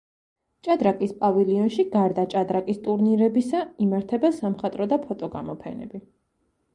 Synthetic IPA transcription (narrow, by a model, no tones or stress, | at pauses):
t͡ʃʼad̪ɾakʼispʼaviliɔnʃiɡaɾd̪at͡ʃʼad̪ɾakʼist̪ʼuɾniɾɛbisaimaɾt̪ʰɛbasamχat̪ʼɾɔd̪apʰɔt̪ʼɔɡamɔpʰɛ̰nɛ̰bi